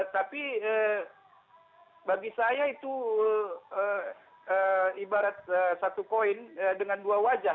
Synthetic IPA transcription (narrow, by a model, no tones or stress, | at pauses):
t̪apiə | baɡisajait̪uəə | əibaɾat̪̚əsat̪ukoinədəŋanduawad͡ʒa